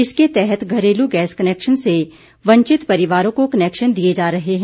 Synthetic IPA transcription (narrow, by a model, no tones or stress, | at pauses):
ɪsket̪ɛɦɛt̪ɡʱɐɾeːluɡɛːskɐneːkʃənse | ʋɐ̃ɲt͡ʃɪt̪pɐɾɪʋaːɾõkokɐneːkʃənd̪ied͡ʒaːɾɐɦeɦɛ̃